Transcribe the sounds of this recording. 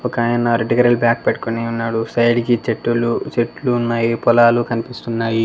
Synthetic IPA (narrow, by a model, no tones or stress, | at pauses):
ɔkaːjɐnɐɾeʈikɐɾɐlbjaːk̚peʈu̥koniunːaːɽusɐjɖikit͡ʃeʈːulut͡ʃeʈːluːnːaːjipɔlaːlukɐnipist̪unːaːji